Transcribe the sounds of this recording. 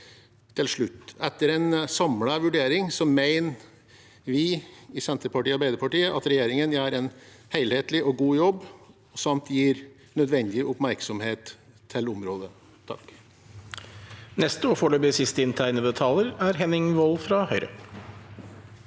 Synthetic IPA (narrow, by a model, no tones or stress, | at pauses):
t̪ʰɪlʂɭʉt̪ːɛt̪ːəɾɛnsɑmləʋʉɖeːɾɪŋsɔmeɪn | ʋɪɪsɛnt̪əɾpɑʈiːɑɾbæɪd̪əɾpɑʈiːəʔɑt̪ɾɛjeːɾɪŋənjæːɾɛnheɪlheːt̪lɪʔɔɡuːjɔbː | sɑmt̪jiːɾ | nœd̪ʋɛnd̪ɪʔʊpmæɾksɔmheːt̪ʰː | ɪlʊmɾoːd̪ə | t̪ʰɑ̰k | nɛst̪əɔːfɔːɭøːbəsɪst̪əɪnt̪ʰæɪnəbət̪ʰɑːləɾæɾɦɛnɪŋʋɔlfɾɑhœʏɾə̰